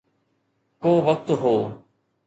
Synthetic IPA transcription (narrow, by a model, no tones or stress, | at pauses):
koːʋək̚t̪ɦoː